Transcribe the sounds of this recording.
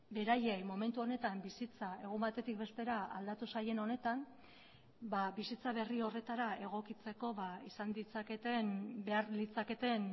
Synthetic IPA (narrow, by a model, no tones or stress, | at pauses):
be̞ɾaje̞jmo̞me̞nt̪uo̞ne̞t̪ambisit͡sae̞ɣ̞umbat̪e̞t̪ik̚be̞st̪e̞ɾaa̰ld̪at̪usaje̞no̞ne̞t̪am | babisit͡saβe̞rio̞re̞t̪aɾae̞ɣ̞o̞kit͡se̞ko̞βaisand̪it͡sake̞t̪enbe̞aɾlit͡sake̞t̪e̞n